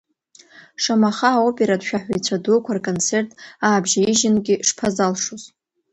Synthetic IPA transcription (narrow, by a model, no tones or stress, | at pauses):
ʂamaχaːopʼeɾadʃᶣaħʷᶣejt͡ɕʷʰadokʷʰarkʼont͡sʰe̞rtʼaːbʒaiʒɪnɡʲɪʂpʰazalʂuz